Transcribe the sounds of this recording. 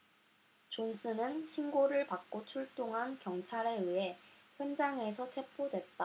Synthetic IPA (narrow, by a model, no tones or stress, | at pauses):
t͡ɕonsʰɯnɯnɕʰinɡoɾɯɭpak̚k͈ot͡ɕʰuɭt͈oŋɦankjʌŋt͡ɕʰaɾe̞ɯɦe̞çjʌnd͡ʑaŋe̞sʰʌt͡ɕʰe̞pʰːodwe̞t̚t͈a